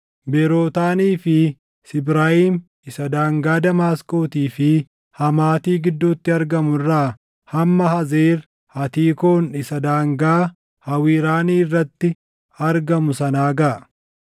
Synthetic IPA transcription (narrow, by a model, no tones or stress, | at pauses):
bɛɾo̞ːt̪aːniːfɪ | sɪbɾaːhiːm | ɪsɐd̪aːŋɡaːd̪ɐmaːskʼo̞ːt̪iːfɪ | hɐmaːt̪iːɡɪd̪ːuːt̪ːɪɐɾɡɐmʊrːaː | hɐmːɐhɐzeːɾ | hɐt̪iːkoːnɪsɐd̪aːŋɡaː | hɐwiːɾaːniːɪrːɐt̪ːɪ | ɐɾɡɐmʊsɐnaːɡɐʔɐ